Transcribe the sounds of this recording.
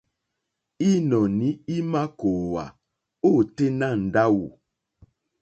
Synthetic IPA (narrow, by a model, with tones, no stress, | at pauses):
i˦nɔ˨ni˦i˦ma˦ko˨wa̰˨ | o˦˨te˦na˦˨n̩˨da˦wṵ˨